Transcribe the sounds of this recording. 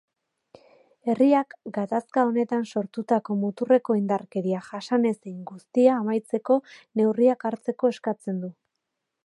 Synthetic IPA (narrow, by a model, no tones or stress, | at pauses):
e̞riakɡat̪askao̞ne̞t̪anso̞ɾt̪ut̪ako̞mut̪ure̞ko̞ind̪arke̞ɾiaʝasane̞sejŋɡust̪iaːmajt͡se̞ko̞ne̞wriakaɾt͡se̞ko̞e̞skat͡se̞nd̪u